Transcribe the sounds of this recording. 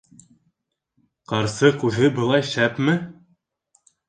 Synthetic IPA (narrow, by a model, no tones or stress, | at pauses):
qɑɾsɤqʉðɘbɤ̆lˠɑjʃæpmɘ